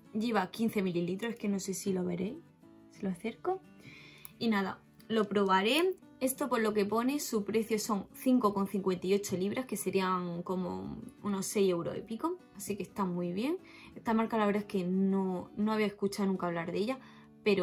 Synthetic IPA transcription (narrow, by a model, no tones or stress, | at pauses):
ɟ͡ʝe̞β̞akin̟θe̞mililit̪ɾose̥ke̞no̞se̞silo̞βe̞̰ɾej | seloaθeɾko | inaða̰ | lo̞pɾo̞βaɾe̞ | e̞st̪o̞po̞ɾlo̞ke̞po̞ne̞supɾe̞θjo̞so̞ŋθiŋko̞ko̞n̟θiŋkwe̞nt̪aiot͡ʃo̞liβɾʔahke̞se̞ɾiaŋko̞mo̞̰uno̞se̞je̞wɾo̰ḛpiko̞asike̞st̪amuiβje̞ŋ | e̞st̪amaɾkalaβɾðaeske̞no̞no̞aβeaehkut͡ʃaonũŋkaːβ̞laɾðe̞ʝa | pe̞ɾo